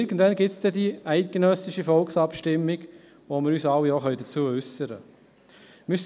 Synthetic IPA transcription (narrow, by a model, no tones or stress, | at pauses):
ɪɾɡən̩dvɛnɡɪtsd̪̥ɛdiæɪt̚kenœsɪʃəfɔlksɑpʃtɪmːiɡ | ʋomɪɾyːsɑwːioχœʏdət͡suːəʏsəɾə̰ | mɪs